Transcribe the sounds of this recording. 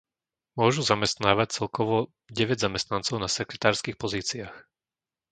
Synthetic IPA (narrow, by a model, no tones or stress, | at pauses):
mʊɔʒuzamɛst̪naːʋac̚t͡sɛlkɔʋɔ | ɟɛʋɛɟzamɛst̪nant͡sɔʊnasɛkɾɛt̪aːɾskixpɔziːt͡siax